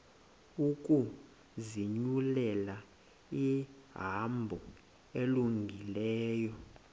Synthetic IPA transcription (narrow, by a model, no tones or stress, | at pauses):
ukʼu | ziɲulɛla | iɦambʱɔ | eluŋɡʱilɛːjɔ